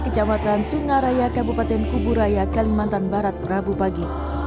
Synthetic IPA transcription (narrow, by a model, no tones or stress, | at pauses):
kət͡ʃamat̪ansuŋaɾajakabupat̪ɛnkubuɾajakalimant̪anbaɾat̪̚rabupaɡi